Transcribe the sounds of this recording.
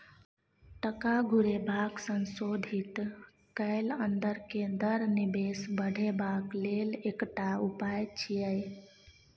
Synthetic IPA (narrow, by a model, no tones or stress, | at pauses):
ʈəkaɡʱuɾebʱaksənsod̪ʱit̪ | kəɪlənd̪əɾked̪əɾnibesbəɽ̤ʱebaklelekʈaupajt͡ʃʰijəj